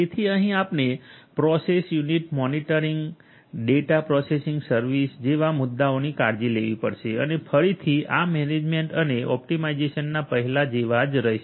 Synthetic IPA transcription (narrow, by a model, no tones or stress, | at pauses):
d͡ʒet̪ʰiəɦĩapnepɾɔsesjuniʈmɔniʈəɾiŋɡ | ɖeʈapɾɔsesiŋɡsəɾʋisd͡ʒeʋamʊd̪ːaonikaɾd͡ʒileʋipəɽʃeə̰nefʰəɾit̪ʰiamɛned͡ʒmeɳʈəneʔɔ̰p̚ʈimaid͡ʒeʃənːapəɦɛlad͡ʒeʋad͡ʒɾəɦiʃ